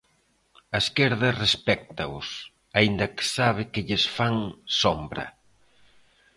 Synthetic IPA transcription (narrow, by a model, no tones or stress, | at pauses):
ɐeskeɾðɐrespɛk̚t̪ɐʊ̰s | aind̪ɐkɪ̥saβ̞ɪkɪʎɪsfaŋsombɾɐ̰